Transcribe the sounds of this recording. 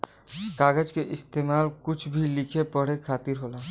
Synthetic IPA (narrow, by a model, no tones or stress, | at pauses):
kaːɡəd͡ʒkeʔɪst̪eːmaːlkʊt͡ʃʰbʱilɪkʰepəɽ̤ekʰaːt̪ɪɾɦoːlaː